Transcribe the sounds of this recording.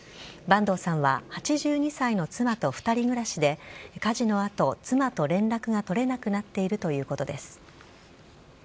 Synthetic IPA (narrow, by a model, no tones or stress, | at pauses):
bãnd̪o̞ːsãɰ̃βahat͡ɕiʑɨːɲ̟isaino̞t͡sɨmat̪o̞ɸɯ̟̥t̪aɾʲiɡɯ̟ɾaɕid̪e̞kaʑino̞at̪o̞t͡sɨmat̪o̞ɾẽ̞nɾakɯ̟ɡat̪o̞ɾe̞nakɯ̟nat̪ːe̞iɾɯ̟t̪o̞jɯ̟ːko̞t̪o̞d̪e̞sɨ̥